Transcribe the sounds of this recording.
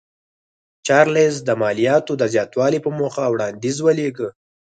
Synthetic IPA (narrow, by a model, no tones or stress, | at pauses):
t͡ʃɑɾles̬d̪əmɑlijɑt̪od̪əzjɑt̪wɑlipəmoxawɽɑnd̪izwəleɡə